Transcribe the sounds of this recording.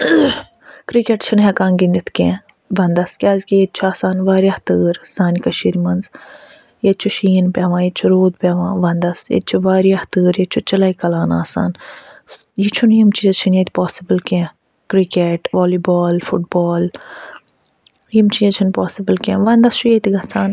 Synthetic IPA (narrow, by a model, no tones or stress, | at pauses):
kɾikeːʈt͡ʃʰinɦekãːŋɡind̪it̪ʰkẽ | ʋɐnd̪ɐskʲaːzkejet̪̚t͡ʃʰuaːsaːnʋaːɾjɐht̪ɨːɾz̥aːnkɐʃiɾmɐnz | jet͡ʃʰuʃiːnpʲeːʋãːjit͡ʃʰuɾoːd̪pʲɛːʋãːʋɐnd̪ɐsjḛt͡ʃʰuʋaːɾiɐht̪ɨːɾjet͡ʃʰut͡ʃɐlaikɐlaːnaːsa̰ːn | jit͡ʃʰunjimt͡ʃiːzɐt͡ʃʰinjet̪ʰʲipoːsibəlkẽ | kɾikeʈʋoːliːboːlfuʈ̚boːl | jimt͡ʃiːzt͡ʃʰinpoːsibəlkʲẽːʋɐnd̪ɐst͡ʃʰujet̪iɡɐt͡sʰaːn